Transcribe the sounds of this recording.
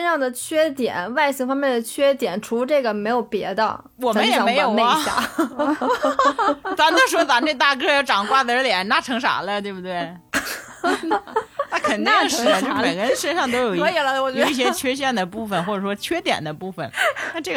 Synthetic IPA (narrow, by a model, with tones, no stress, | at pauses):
ə˥nʂɑ˥˩ŋd̪ə˩t͡ɕʰɥɛ˥t̪jɛ̰˨˩˦nwa˥˩ɪɕi˥ŋfɑ˥ŋmjɛ˥˩nd̪ə˩t͡ɕʰɥɛ˥t̪jɛ˨˩˦nʈ͡ʂʰu˧˥ʈ͡ʂɤ˥˩ɡə˩me˧˥ɪjo˨˩ʊpjɛ˧˥d̪ə̰˧ | wɔ˨˩mə˦jjɛ˨˥˧me˧˥ɪjo˨˩ʊe˥ə˦ɕa̰˥˧˩ | t͡sɑ˧˥t͡ɕ̪ʂt͡sa˧˥ne˥˧ɡə˧t̪a˥˩k̬ɤ˥jɑ˥˩ʈ͡ʂɑ˨˩ŋkwa˥˩d̪ə˧ə˧˥t̪jɛ˨˩˦nna˥˩ʈ͡ʂʰɤ˧˥ŋʂa̰˨˧˩lə˦t̪we˥˧ɪbu˩t̪we˥˩ɪ | na˥˩kʰə˨˩nt̪i˥˧ŋʂɻ̩˥˩ə˨˩t͡ɕpe˨˩kə˥nʂə˥nʂɑ˥˩ŋt̪̬o˥ʊjo˨˩ʊ˧˥i˨˩lə˦wɔ˨˩ɛ˧˥˧i˥˩ɕ̬jɛ˥t͡ɕʰɥɛ˥ɕ̬jɛ˥˩nd̪ə˩pu˥˩fə˨˩nxwɔ˥˩ʈ͡ʂə˨˩ʂwɔ˥t͡ɕʰɥɛ˥t̪jɛ̰˨˩nd̪ə˦pu˥˩fə̰˩nna˥˧ʈ͡ʂɤ˥˩